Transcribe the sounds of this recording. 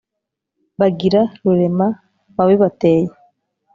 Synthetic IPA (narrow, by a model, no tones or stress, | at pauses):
βaɡiɾaɾuɾe̞ma | βaβeβateːje